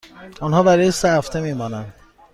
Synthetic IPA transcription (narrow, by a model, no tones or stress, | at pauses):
unɦɒːbæɾɒːjesæft̪ʰemiːmɒːnænd̪